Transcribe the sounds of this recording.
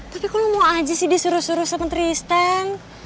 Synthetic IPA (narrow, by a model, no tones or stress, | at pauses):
t̪apikulumawad͡ʒisɪdisuɾʊsuɾʊhsəmənt̪ɾiːst̪aŋ